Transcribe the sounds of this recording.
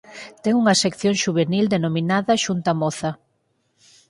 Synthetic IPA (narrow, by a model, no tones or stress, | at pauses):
t̪ɛŋuŋɐsekθjoŋʃuβ̞enild̪enominaðɐʃunt̪amɔθɐ